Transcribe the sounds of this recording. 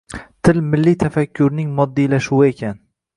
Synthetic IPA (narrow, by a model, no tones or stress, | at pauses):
t̪ʰɪlmɪlːijt̪ʰafakʲʰːʊɾnɪŋmɒd̪ːijlaʃuwɪe̞kʲʰan